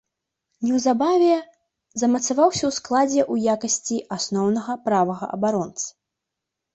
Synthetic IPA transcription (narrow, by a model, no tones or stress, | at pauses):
nʲɛwzabavʲɛ | zɐmɐt̪savawsʲɐwsklˠad͡zʲɛʔujakɐsʲt͡sʲiʔasnɔwnɐɣɐpɾavɐɣɐʔɐ̰baɾɔnt̪sɐ